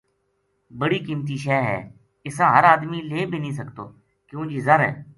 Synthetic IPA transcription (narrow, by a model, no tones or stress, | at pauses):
bəɽiːkiːmt̪̬iːʃɛːɦɛ̰ː | ɪsãːɦəɾaːd̪miːleːbʱiːnĩːsəkt̪o̰ː | kjõːd͡ʒiːzəɾɦɛ̰ː